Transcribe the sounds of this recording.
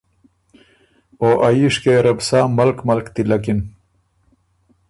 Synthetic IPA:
oːʔɐjiʂkeɾɐbsaːmɐlkmɐlkt̪ilɐkin

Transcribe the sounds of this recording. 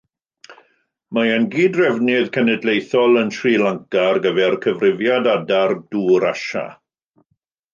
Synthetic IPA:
maənɡiːdrɛvnɪðkʰɛnɛdlejθɔlˠəntʰriːlaŋkarɡəvɛrkʰəvrɪvjadadard̥uːɾaʃa̰

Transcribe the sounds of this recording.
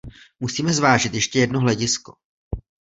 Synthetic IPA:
musiːmɛzvaːʒɪt̪jɛʃcɛjɛdnoɦlɛɟɪsko

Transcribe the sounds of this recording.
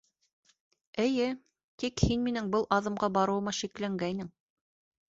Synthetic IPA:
ɘ̆jɘ | t̪ikhinminɘŋbɤlˠʔɑðɤ̆mɢɑbɑɾɤ̆wɤ̆mɑʃiklæŋɡæjnɘŋ

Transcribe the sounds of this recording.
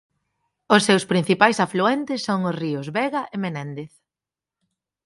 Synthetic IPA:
ʊsːewspɾin̟θipajsafluɛnt̪ɪsːoŋʊsriʊzβɛɣɐʔemenɛ̃nd̪eθ

